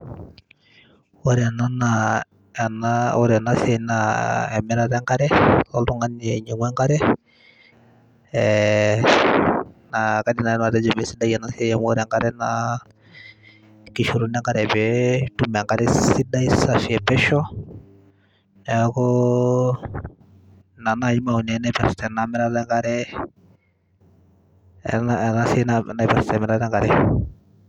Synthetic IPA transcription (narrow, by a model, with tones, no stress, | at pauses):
wɔ˦ɾɛ˨na˦na | ɛ˨naɔ˦ɾɛ˨na˦sɛ˨naɛ˨mɛ˦ɾa˦ɾɛ˦ŋɡa˦ɾɛ˦lɔltu˦ŋa˦ni˨ɛ˨ɲɛ˨ŋwɛ˦ŋɡa˦ɾɛ˦ | naka˦di˨na˨ɛ˦na˨ɾɛ˦d͡ʒɛ˨mɛ˨˦si˦da˦jɛ˨na˦si˦ɛ˦jɛ˦mɔ˦ɾɛ˨ŋɡa˦ɾɛna | ki˨ʃu˨ɾu˦nɛ˦ŋɡa˦ɾɛ˨bɛtu˦mɛ˨ŋka˦ɾɛ˦si˦da˦i˦sa˨si˨ɛ˨bɛ˦ʃɔ˦ | nɛ˨˦kɔ˦ | na˨na˦˨ji˦ma˦˨u˨nɛ˨˦na˦pɛ˨ɾstɛ˨na˨mɛ˦ɾa˦dɛ˦ŋɡa˦ɾɛ˦ | na˨na˦sɛ˦nana˦pɛ˨ɾstɛ˨mɛ˨ɾa˦dɛ˦ŋɡa˨ɾɛ˨